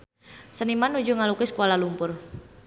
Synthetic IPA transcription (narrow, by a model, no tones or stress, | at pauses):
sənimanud͡ʒuŋalukɪsə̥kolalumpʊr